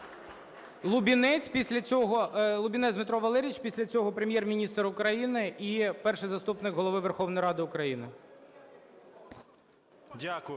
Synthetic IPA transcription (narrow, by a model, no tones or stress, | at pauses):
lˠʊbʲinɛt͡sʲpʲisʲlʲɐt͡sʲɔɦɔlˠʊbʲinɛzʲd̪mɪt̪ɾɔʋɐlˠɛɾʲit͡ʃpʲisʲlʲɐt͡sʲɔɦɔpɾemʲjɛrmʲinʲist̪rʊkɾɐjinɪʔipɛrʃɪjzɐst̪upnɪkɦɔlˠɔʋɪʋerxɔʋnɔjɾɑd̪ɪʊkɾɐjinɪ | dʲak